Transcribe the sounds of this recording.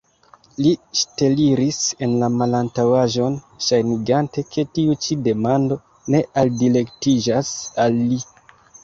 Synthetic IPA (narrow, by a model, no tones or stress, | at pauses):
liʃte̞liɾise̞nlamalantawaʒo̞n | ʃajniɡante̞kʰe̞tiut͡ʃide̞mando̞ | ne̞ʔaldile̞ktid͡ʒasalːi